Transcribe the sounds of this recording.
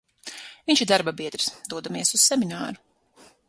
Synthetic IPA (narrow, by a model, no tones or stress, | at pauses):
viɲʲʃid̪aɾbabiɛd̪ɾsd̪uɔd̪amiɛsussɛminaːɾu